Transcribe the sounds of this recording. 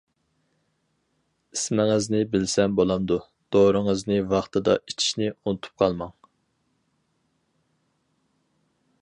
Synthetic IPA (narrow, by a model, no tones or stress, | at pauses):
ismɪŋɨznɪbɪlsɛmbolˠɑmd̪u | d̪̥oɾəŋəznɪvɑχt̪ʰɨd̪ɑ̰ʔit͡ʃʰi̥ʃnɪunut̪ʰu̥p̚qʰɑlˠmɑŋ